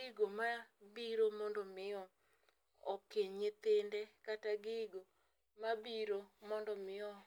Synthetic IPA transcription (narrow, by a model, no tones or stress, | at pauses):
iɡomabiɾomɔndɔmɪɔ | ɔkeɲɲet̪endɛkataɡiɡo | mabiɾomɔndɔmɪɔ